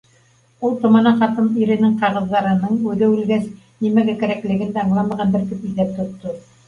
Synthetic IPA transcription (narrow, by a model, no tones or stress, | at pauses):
ulˠt̪ŏmɑnɑχɑt̪ɤmiɾɘ̆nɘŋqɑʁɤ̆ðːɑɾɤ̆nɤɴʉðɘʉlɡæs | nimæɡækɘ̆ɾæklɘ̆ɡɘnd̪æɑɴlˠɑmɑʁɑnb̪ɘɾt̪ɘpizðæp̚t̪ŏt̪ːo